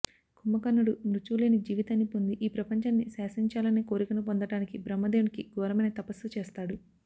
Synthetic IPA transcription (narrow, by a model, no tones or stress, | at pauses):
kumːɐkɐnːuɽunɾut͡ʃuːleːnid͡ʒiːʋit̪aːnːipond̪iʔiːpɾɐpɐɲt͡ʃaːnːisaːsiɲt͡ʃaːlɐne̞ːkoːɾikɐnupond̪ɐʈaːnikibɾɐmːɐd̪eːunikiɡɔːɾɐmɐnɐt̪ɐpɐsut͡ʃeːst̪aːɽu